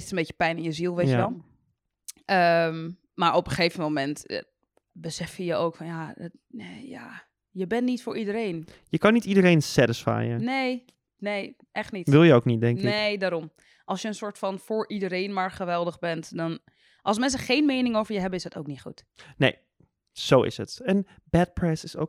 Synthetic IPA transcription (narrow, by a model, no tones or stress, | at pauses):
ɪ̥sənbeːcə̥pɛjnɪnjəzilˠʋeːəʋɛlˠ | ʔəm | maːɹɔpəχeːvəmomɛnt | bəsɛfjəjəoːkfɔnjadt | neja̰ | jəbɛnnːitfʊːɹʔidəɾeːnjəkɔnitidəɾejnsɛdəsfa̰ːjəneː | nej | ʔɛχtnitʋɪlˠjəowknit̚dɛŋnɪejdaːɾɔm | ʔɑlˠsjəənsʊːɹtfɔnfoːɹʔidəɾeːnmaɹχəʋɛlˠdəχbɛntdɔn | ʔɑlˠsmɛns̬əχeːnmeːnɪŋoːvəɹjəɦɛbəɪsətʰo̰wknitχṵt | nḛj | sowɪ̰sɦətɛn | bɛt̚pɹɛsɪso̰